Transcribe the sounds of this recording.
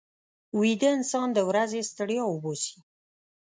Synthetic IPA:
wid̪əɪnsɑnd̪əwɾazest̪əɽjɑwʊbosi̥

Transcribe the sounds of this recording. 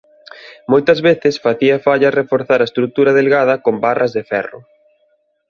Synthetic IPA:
mojt̪ɐzβeθɪsfaθiɐfaʎɐrefoɾθaɾɐest̪ɾuk̚t̪uɾɐðelɣaðɐkombarʔɐzðefɛ̰rʊ̰

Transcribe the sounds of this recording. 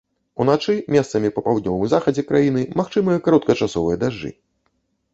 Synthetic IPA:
unat͡ʂɨmʲɛst̪sɐmʲipɐpawd̪nʲɔvɨmzaxɐd͡zʲɛkɾajinɨmaxt͡ʂɨmɨjɐkaɾɔt̪̚kɐt͡ʂasɔvɨjɛd̪aʐːɨ̰

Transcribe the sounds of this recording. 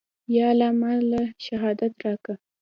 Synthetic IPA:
jɑlamalaʃaɦɑd̪at̪ɾɑka

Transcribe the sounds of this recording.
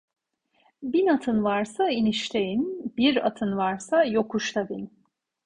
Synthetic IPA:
binat̪ʰɯnvaɾsainiʃt̪ʰejinbiɾa̰t̪ʰɯnvaɾsajo̞kʰuʃt̪ʰabin

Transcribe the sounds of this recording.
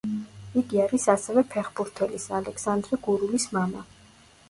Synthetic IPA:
iɡiaɾisasɛvɛpʰɛχbuɾt̪ʰɛlisalɛksand̪ɾɛɡuɾulismama

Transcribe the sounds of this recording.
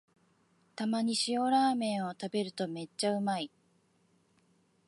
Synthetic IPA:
t̪amaɲ̟iɕio̞ɾaːmẽ̞ɰ̃o̞t̪abe̞ɾɯ̟t̪o̞me̞t͡ɕːaɯ̟mai

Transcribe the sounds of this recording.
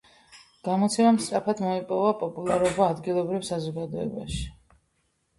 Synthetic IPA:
ɡ̥amɔt̪sʰɛmamst̪ʼɾapʰad̪mɔipʼɔvapʼɔpʼulˠaɾɔbaːd̪ɡilˠɔbɾivsazɔɡad̪ɔɛ̰ba̰ʃi̥

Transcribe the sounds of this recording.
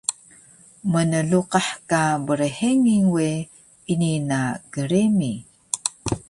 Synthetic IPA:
mənəɮuqaħkabəɾəħeŋiŋwe | ininaɡəɾemi

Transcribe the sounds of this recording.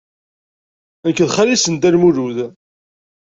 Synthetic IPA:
ænkːðχælisənd̪æɾmuɾuð

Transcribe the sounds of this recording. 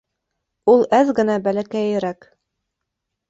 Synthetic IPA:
ulˠæzɡɘ̆næbælækæjɘ̆ɾæk

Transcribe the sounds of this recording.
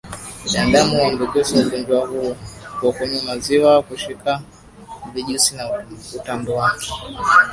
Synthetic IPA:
ɗandamuwam̩duɡɛsiuɡɔnd͡ʒwahukwakɛɲumaziwakuʃika | viʄusinautanbɔwakɛ̥

